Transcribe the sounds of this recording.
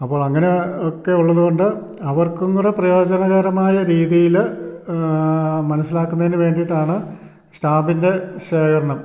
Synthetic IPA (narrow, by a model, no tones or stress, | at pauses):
ɐpːo̞ːɭɐŋːɐne̞okːe̞uɭːɐðuɣoɳɖɨ | ɐʋɐrkuŋuɽeprɐjo̞ːd͡ʑɐnɐɣɐɾɐmaːjɐɾiːðijil | mɐnɐsːilaːkːunːɐðinɨʋe̞ːɳɖijʈːaːɳɨ | staːbinde̞ɕeːkɐɾɐɳɐm